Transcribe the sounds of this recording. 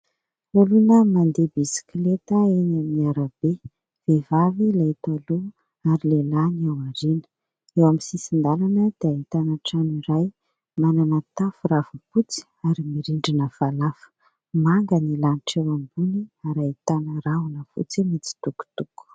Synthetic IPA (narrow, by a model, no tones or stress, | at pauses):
ulunəmand̪ebisi̥klet̪əeɲamniaɾəbe | v̥evavilait̪alu | aɾilelaniawaɾinə̥ | ewamisisind̪alanəd̪̥eait̪anaʈ͡ʂaniɾaj | manamat̪afuravuput͡si̥ | aɾimiɾiɳɖ͡ʐinəv̥alafə̥ | maŋɡənilaniʈ͡ʂewambuniaɾait̪anəɾaunəfṵt͡simit͡si̥t̪uku̥t̪uku̥